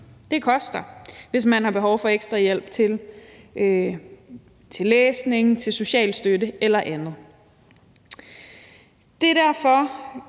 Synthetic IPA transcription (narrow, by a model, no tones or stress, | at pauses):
d̥e̝kʰɒ̽sd̥ɐʋe̝s̬mænhɑ̈b̥e̝ɦɒʊfɒ̽eɡ̥sd̥ʁɑ̈jel̰b̥̚t͡sʰe̝l | t͡sʰe̝lːeːsne̝ŋ̩t͡sʰe̝lso̝ɕɛ̰ːl̥sd̥ødəelɐʔænð̞̩ˠ | d̥e̝ɾ̥æɐ̰fɒ̽